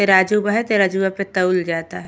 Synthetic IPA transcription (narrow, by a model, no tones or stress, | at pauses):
eɾaːd͡ʒubaɦɛt̪eɾad͡ʒubapet̪ɐʊld͡ʒaːt̪aɦɛ